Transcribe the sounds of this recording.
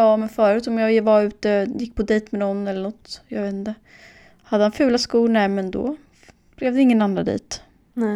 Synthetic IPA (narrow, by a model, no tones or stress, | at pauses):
ɑːmɛnfœːɾʉ̟ːt̪ɔmjɑːvaɾʉ̟ːt̪əjɪkːpʰɔd̪ɛːt̪mɛnɔnːɛlːəɳɔt̪ːjɑːɡveːt̪nt̪ə | had̪ːəhanfʉ̟ːlaskuːnɛmɛnd̪ɔ̰ | b̥lɛvd̪ɛɪŋːənanːɾad̪ḭːt̪